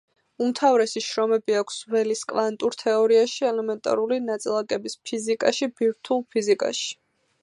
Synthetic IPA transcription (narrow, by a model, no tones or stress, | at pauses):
umt̪ʰavɾɛsiʃɾɔmɛbiakʷʰsvɛliskʼvant̪ʼuɾt̪ʰɛɔɾiaʃiɛlɛmɛnt̪ʼa̰ɾulinat̪sʼilˠakʼɛbispʰizikʼaʃibiɾt̪ʰulˠpʰizikʼa̰ʃi̥